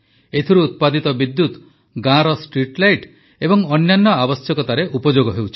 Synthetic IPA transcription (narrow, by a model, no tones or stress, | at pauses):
et̪ʰiɾuːt̪̚pad̪it̪ɔbid̪ːut̪ | ɡãɾɔsʈɾiʈlajʈ | ebɔŋɔnːjanːɔabɔsjɔkɔt̪aɾeʔupɔd͡ʒoɡɔɦewt͡ʃʰi̥